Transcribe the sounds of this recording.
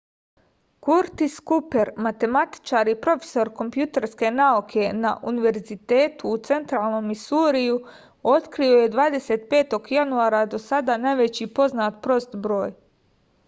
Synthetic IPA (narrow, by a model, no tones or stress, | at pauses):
kuɾt̪iskupe̞ɾmat̪e̞mat̪i̥t͡ʃaːɾipɾo̞fe̥so̞ɾko̞mpjut̪e̞ɾske̞naukʰe̞na̰ʔuniʋe̞ɾzit̪e̞ːt̪uːt̪se̞nt̪ɾaːlˠno̞misuːɾiju | o̞t̪kɾio̞je̞d̪ʋaːd̪e̞se̞ːt̪pe̞ːt̪o̞ɡjanuaːɾad̪o̞sad̪anajʋe̞t͡ɕipo̞znaːt̪pɾo̞st̪bɾo̞ːj